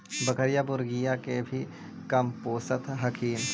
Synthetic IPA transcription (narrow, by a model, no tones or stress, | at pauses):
bɐkəɾjabʊɾɡijakebʱi | kɐmpoːsət̪ɦɐkʰiːm